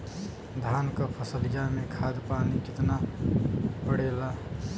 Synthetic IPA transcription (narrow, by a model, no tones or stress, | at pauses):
d̪ʱaːnkapʰəsəlijamẽkʰaːd̪paːnikɪt̪na | pəɽeːla